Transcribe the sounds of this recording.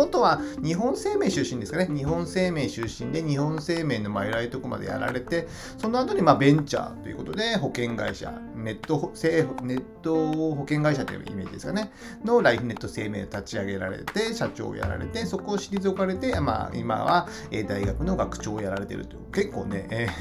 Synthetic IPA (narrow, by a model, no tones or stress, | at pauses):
ot̪oβaɲ̟iɦõ̞ɰ̃se̞ːme̞ːɕɨɕːĩnd̪esɨ̥kaneɲ̟iɦõ̞se̞ːme̞ːɕɨɕĩnd̪e̞ɲ̟ihõ̞ɰ̃se̞ːme̞ːno̞maiɾait̪okɯ̟ma̰d̪e̞̰ja̰ɾa̰ɾe̞t̪e̞ | so̞no̞at̪oɲ̟imaːbẽ̞ɲ̟t͡ɕa̰t̪o̞jɯ̟̰kot̪od̪e̞ɦo̞kẽ̞ŋɡa̰iɕa̰ | ne̞t̪ːosene̞t̪ːo̞ɦo̞kẽ̞ŋɡaiɕat̪o̰j̰ɯ̰ma̰ḭme̞ːd͡ʑid̪esɨ̥kane̞ | no̞ɾaiɸɯ̟ne̞t̪ːo̞se̞ːme̞ːot̪at͡ɕiaɡe̞ɾaɾḛt̪e̞ɕat͡ɕo̞̰ːja̰ɾa̰ɾe̞̰t̪e̞so̞koːɕiɾʲizɨokaɾe̞t̪e̞ma̰ḭma̰βa | eːd̪aiɡakɯ̟no̞ɡakɯ̟̥t͡ɕo̞ːjaɾaɾe̞t̪e̞̰ɾɯ̟t̪ojɯ̟ke̞kːo̞ːne̞ː